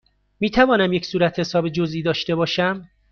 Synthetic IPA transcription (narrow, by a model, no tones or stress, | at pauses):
miːt̪ʰævɒːnæmje̞csuːɾæt̪he̞sɒːbed͡ʒoziːd̪ɒːʃt̪e̞bɒːʃæm